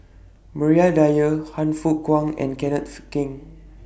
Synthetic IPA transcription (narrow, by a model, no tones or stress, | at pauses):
məɹiadajəhãnfukwãŋɛ̰̃nkɛnət̚kĩŋ